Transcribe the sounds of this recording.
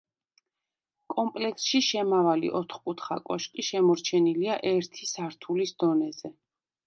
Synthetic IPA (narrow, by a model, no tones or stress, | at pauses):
kʼɔmpʼlɛksʃiʃɛmavalḭʔɔt̪ʰχkʼut̪ʰχa̰kʼɔʃkʼiʃɛmɔɾt͡ʃʰɛniliaʔɛɾt̪ʰisaɾt̪ʰulisd̪ɔnɛzɛ